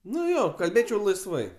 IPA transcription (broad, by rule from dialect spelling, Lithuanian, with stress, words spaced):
ˈnʊ ˈjoː kɐlʲˈbʲeːt͡ʃʲɛʊ lˠɐɪsˈʋɐɪ